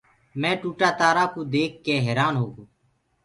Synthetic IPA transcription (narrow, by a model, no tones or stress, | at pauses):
mɛ̃ːʈuːʈaːt̪aːɾaːkoːd̪eːkʰːeːɦɛːɾaːnɦoːɡoː